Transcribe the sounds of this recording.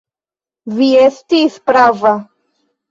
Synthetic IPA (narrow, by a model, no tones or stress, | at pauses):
viestispɾava